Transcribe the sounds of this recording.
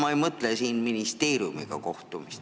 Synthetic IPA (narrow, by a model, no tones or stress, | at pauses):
mɑejmɤt̪lesiːnminist̪e̞ːɾiumḭɡ̥ɑ̰ko̞ht̪umist̪